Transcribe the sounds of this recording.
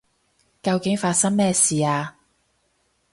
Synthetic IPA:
kɐ˧wkɪ˨˥ŋfaː˧t̚sɐ˥ŋmɛː˥siː˨aː˧

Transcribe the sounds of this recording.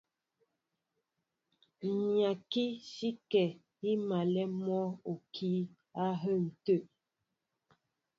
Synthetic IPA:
ɲja˨ki˦ʃi˦kɛ˨ | i˦ma˨lɛ˦mɔ˦o˨kʰi˨˦ | a˦ɦə˦˨n̩˨tə˦ʔ

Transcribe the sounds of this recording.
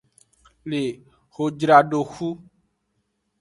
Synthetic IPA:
le˨ | ho˨d͡ʒɾa˨ɖo˨xu˦

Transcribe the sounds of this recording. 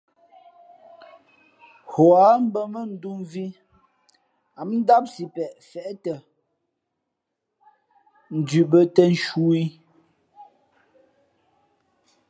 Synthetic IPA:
hɔ˨a˨˦m̩˦bə˦mə˦n̩˦du˦mvi˦ | a˨mn̩˦da˦p̚si˨pɛ˨ʔfɛ˨ʔtə˨ | n̩˨dʉ˨ʔbə˦tə˦n̩˦ʃu˦i˦

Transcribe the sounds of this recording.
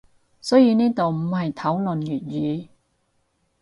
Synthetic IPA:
sɔː˨˥jiː˨˧niː˥t̪o˨wm̩˨˩ɦɐ˨jt̪ʰɐ˨˥wlɵ˨njyː˨˩t̚jyː˨˧

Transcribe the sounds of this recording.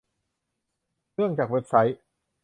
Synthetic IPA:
ɯ˥˩əŋt͡ɕaː˨˩k̚we˦˥p̚sa˦˥j̚

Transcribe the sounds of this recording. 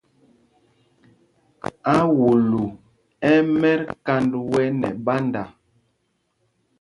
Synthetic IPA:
a˦wu˨lu˨ | ɛ˦mɛ˦ɾka˦ndwɛ˦nɛ̰˨ba˦nda˨

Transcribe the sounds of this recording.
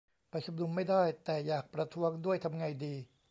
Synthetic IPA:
pa˧jt͡ɕʰo˧˦mnu˧mːa˥˩jdaː˥˩jt̪ɛː˨˩jaː˨˩k̚pɾa˧t̪ʰu˦˥əŋdu˥˩əjt̪ʰa˧mŋa˧jdiː˧

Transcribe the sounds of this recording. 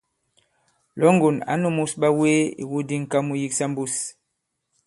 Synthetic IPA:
lɔ˨˦ŋ˦ɡo˨na̰˨˦nu˦mu˦sɓa˦we˦ḭ˨wu˦di˦ŋ̩˨ka˦mu˦ji˦ksa˦m˦bu˦s

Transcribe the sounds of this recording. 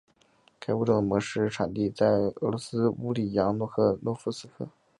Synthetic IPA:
kʰa˥ɪwu˥˩ʈ͡ʂɤ˥˩mwɔ˧˥ʂɻ̩˥˩ʈ͡ʂʰa˨˩nt̪i˥˧t͡sa˥˩ɪɤ̰˧˥lwɔ˧˥sɹ̩˥u˧˥li˨˩jɑ˧˥ŋnwɔ˥˧˥kʰɤ˥˩nwɔ˧˥fu˥sɹ̩˥kʰɤ̰˥˩

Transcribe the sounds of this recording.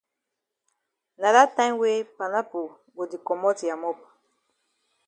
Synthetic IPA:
na˨da˦tã˦mwe˦pa˨na˦po˨ | ɡo˨di˨kɔ˨mɔ˦ti˨ja˨mɔ˦p̚

